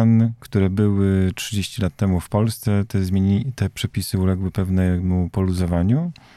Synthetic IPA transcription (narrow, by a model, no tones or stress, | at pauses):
ankt̪uɾɛbɘwɘtʂɘd͡ʑeɕt͡ɕilat̪ːɛmufpɔlst̪sɛt̪ɛzmʲeɲit̪ɛpʂɛpʲisɘulɛɡwɘpɛvnɛmupɔluzɔvaɲu